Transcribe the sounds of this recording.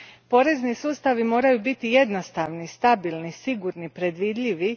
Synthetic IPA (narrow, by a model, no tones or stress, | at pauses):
po̞ɾe̞znisuːst̪aʋimo̞ːɾajubit̪ije̞d̪nost̪aʋnist̪abilˠnisiɡuɾnipɾe̞d̪ʋiːd̪ʎʲiʋi